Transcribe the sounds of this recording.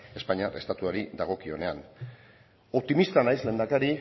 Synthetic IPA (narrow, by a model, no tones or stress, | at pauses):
e̞spaɲare̞st̪at̪uaɾiðaɣ̞o̞kio̞ne̞a̰n | o̞p̚t̪imist̪anajszlend̪akaɾi